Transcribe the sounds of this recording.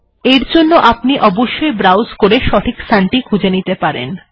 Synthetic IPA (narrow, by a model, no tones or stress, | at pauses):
eɾd͡ʑonːoʔapniʔɔboʃːoebɾawzkoɾeʃɔʈʰikst̪ʰaɳʈikʰud͡ʑenit̪epaɾḛn